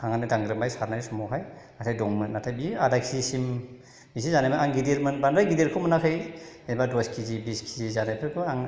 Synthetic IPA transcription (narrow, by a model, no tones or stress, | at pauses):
aŋanɯdaŋɡɾɯmbajsaɾnajsɔmɔɦaj | atʰajdɔŋmɯnatʰajbiadakʰisim | bisizanajbʰaaŋɡideɾmɯnbandɾajɡideɾkʰomanakʰɯjebadɔskʰizibiskʰizizanajpʰɯkʰɯaŋ